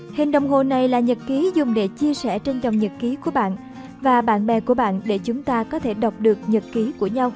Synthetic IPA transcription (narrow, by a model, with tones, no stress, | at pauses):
hï˨˩ŋ̟ɗə˨wŋ͡mɦo˨˩na˨˩jlaː˨˩ɲə˨˩t̚ki˨˦zʊ˨˩ŋ͡mɗe˧˩t͡ɕi˧əsɛ̰˧˩t͡ɕe˧nt͡ɕɔ˨˩wŋ͡mɲə˨˩t̚ki˨˦ku˧˩əɓa̰ː˧˨n | vaː˨˩ɓa̰ː˧˨nɓɛ˨˩ku˧˩əɓa̰ː˧˨nɗe˧˩t͡ɕʊ˨˦ŋ͡mt̪aː˧kɔ˨˦t̪ʰe˧˩ɗə˨˩wk͡p̚ɗɨ˨˩ək̚ɲə˨˩t̚ki˨˦ku˧˩əɲa˧w